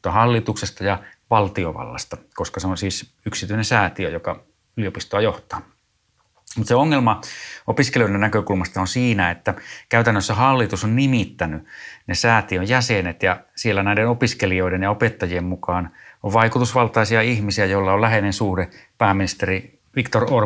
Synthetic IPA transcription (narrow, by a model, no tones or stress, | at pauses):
t̪ːɑhɑlːit̪uksest̪ɑjɑʋɑlt̪ioʋɑ̰lːɑ̰st̪ɑkoskɑseonsiːs | yksit̪yinensæːt̪iøjokɑ | yliopist̪oɑjoht̪ɑ̥ː | mut̪seoŋːelmɑopiskelioˑidennækøkulmɑst̪ɑonsiːnæet̪ːækæyt̪ænːøsːæhɑlːit̪usonnimit̪ːænynesæːt̪iøjjæsenet̪jɑsielːænæˑidenopiskelioiɾenjɑopet̪ːɑjiemmukɑːnoʋʋɑikut̪usʋɑlt̪ɑisiɑihmisiæjolːɑollæhenensuːɾepæːminist̪eri | ʋikt̪oror